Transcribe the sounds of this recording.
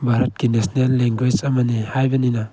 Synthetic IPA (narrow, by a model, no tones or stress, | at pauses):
bʱaɾɐt̚ɡ̥inesnelːeŋɡwet͡ʃɐmanihajbɐnina